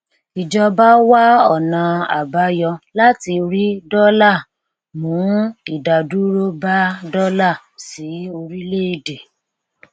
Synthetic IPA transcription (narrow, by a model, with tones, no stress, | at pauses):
i˨d͡ʒɔ˧ba˦wa˦ɔ˦˨nã˨a̰˨ba˨˦jɔ˧la˦ti˧ɾi˦dɔ˦la˦˨ | mũ˨˦i˦˨da˨du˦ɾo˦ba˦dɔ˦la˦˨ | si˨˦o˧ɾi˦le˦i˨de˨